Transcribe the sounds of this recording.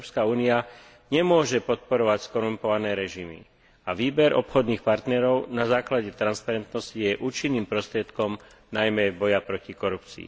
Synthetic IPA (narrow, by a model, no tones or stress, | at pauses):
pskauːnia | ɲɛmʊɔʒɛpɔt̪̚pɔɾɔʋacskɔɾumpɔʋanɛːɾɛʒimḭ | aʋiːbɛɾʔɔ̰pxɔd̪nixpaɾt̪nɛɾɔʊnazaːklaɟɛt̪ɾanspaɾɛnt̪nɔscijɛʔuːt͡ʃinːiːmpɾɔst̪ɾɪɛt̪kɔm | najmɛbɔjapɾɔcikɔɾupt͡sḭː